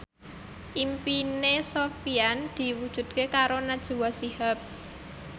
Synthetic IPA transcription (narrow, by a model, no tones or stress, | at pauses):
ʔimpinesofiand̪̥i̤wud̥ʒ̥ṳd̪̚kekaɾonad̥ʒ̥ṳwasihap̚